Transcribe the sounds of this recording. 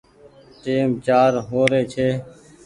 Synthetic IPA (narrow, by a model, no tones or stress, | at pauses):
ʈeːmt͡ʃaːɾɦoːɾeːt͡ʃʰeː